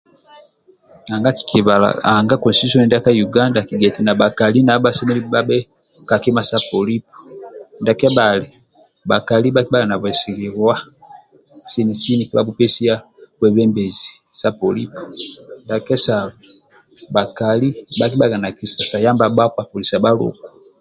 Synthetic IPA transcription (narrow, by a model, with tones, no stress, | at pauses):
a˨ŋɡa˦ki̥˨ki˨βa˨la̰˨a˨ŋɡa˦kɔ˨stitu˦sɔ˦nɛ˨da˦ka˦ju˨ɡa˦nda˨ki˨ɡɛ˨ti˨na˨ba˨ka˨li˦na˨˦ba˦sɛ˦mɛ˦li˦ba˦bɛ˦ | ka˨ki˦ma˦sa˦pɔ˨li˦pɔ̥˨nda˨kɛ˦ba˨lɛ˨ | ba˨ka˨li˦ba˦ki˦ba˦la˨na˨βwɛ˨si˨li˨ɾa˦ | si˦ni˨si˦ni˨ki˦ba˦bu˦pɛ˦si˦a˦ | kwɛ˨βɛ˦mbɛ˨zi˨sa˦pɔ˨li˦pɔ˨nda˨kɛ˦sa˨βu˨ | ba˨ka˨li˦ba˦ki˦ɓa˦ɡa˨na˨ki˨sa˨sa˨ja˦mba˦ba˦kwa˨pɔ˨li˨si˨a˨ba˦lṵ˨ka˨